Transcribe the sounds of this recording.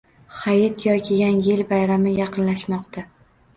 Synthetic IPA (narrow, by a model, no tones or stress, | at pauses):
χajɪt̪jɒkʰʲɪjanjɪlbajɾamɪjɑqʰɨnlaʃmɒqt̪ʰa